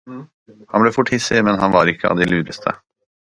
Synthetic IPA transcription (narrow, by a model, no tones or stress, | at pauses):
hɑnblɛfʊʈːhɪsːɪmɛnɦanvɑɾɪkʰːəɑ̰ʋd̪ɛlyːɾəst̪ʰə̰